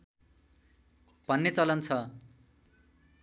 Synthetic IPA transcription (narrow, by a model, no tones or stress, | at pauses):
bʱʌnːet͡sʌlʌnt͡sʰʌ